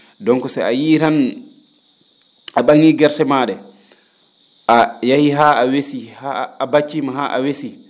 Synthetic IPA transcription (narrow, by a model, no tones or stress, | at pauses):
dɔŋkɔsa̰ajiɾan | aɓaŋiɡɛɾsɛmaːɗɛ | ʔajahiɦaawesihaːbat͡ʃːimaɦaʔa̰wesi